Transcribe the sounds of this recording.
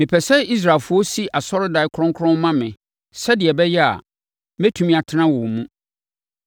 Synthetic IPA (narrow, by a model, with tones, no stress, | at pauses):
mɪ̃˨pʰɛ˨sɛ˦i˦s̬ɾaː˨e˨lfʊ˦ɔ˦si˦ʔa˨sɔ˦ɾɪ˦da˨ɪ˦kʰɾɔ̃˦ŋkʰʊ˦ɾʊ̃˦mmã˦mɪ̃˨ | sɛ˦dɪ˨ɛ˨bɛ˦jɛ˦a̰˨ | mɛ˦tʰũ˨mĩ˦a˨tʰɪ˦nã˦wʊ˨mũ˦